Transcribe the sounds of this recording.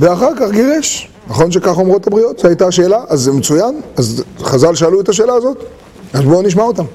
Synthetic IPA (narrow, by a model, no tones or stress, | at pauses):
veaχaʁkaχɡeʁeʃ | naχo̞nʃ̬e̞kaχomʁo̞t̪abʁijo̞t̪zeajtaʃe̞ːlaʔazːemet͡sujanazχazalʃeːluet̪aʃ̬e̞ːlaːzo̞t | azbo̞niʃ̬maotam